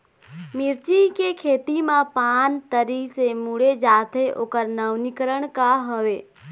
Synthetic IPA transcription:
mɪɾt͡ʃikekʰeːt̪imãpaːnt̪əɾisemuɽed͡ʒaːt̪ʰeʔoːkəɾnəʋnɪkəɾəɽ̃kaɦəʋeː

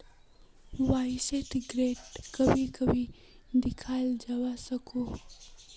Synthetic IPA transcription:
waːiseʈɡɾeːʈkəbʱikəbʱi | d̪ɪkʰaːɪld͡ʒawasəko

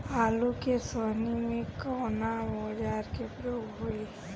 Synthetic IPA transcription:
aːlukesɔnimẽkɔːnaʋɔd͡ʒaːɾkepɾoɡɦoi

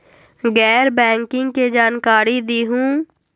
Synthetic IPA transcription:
ɡɛːɾbɛ̃ːŋkɪ̃ŋɡked͡ʒaːnkaːɾiːd̪iːɦũː

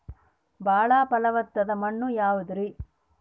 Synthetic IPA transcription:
bʱaːɭaːpɐlɐʋɐt̪ːɐd̪ɐmɐɳːujaːʋud̪ɾi

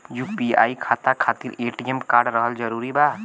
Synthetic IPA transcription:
jupia̰ːikʰat̪akʰat̪iɾeʈiemkaɾɖɾəɦəld͡ʒəɾuɾiba

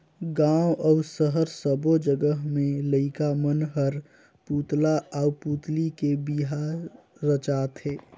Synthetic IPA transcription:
ɡãːwʔɔːsəɦəɾsəbod͡ʒəɡəɦmẽləɪkamənɦəɾ | puːt̪laɔʊpuːt̪likebiɦaɾː | ət͡ʃaːt̪ɦeː

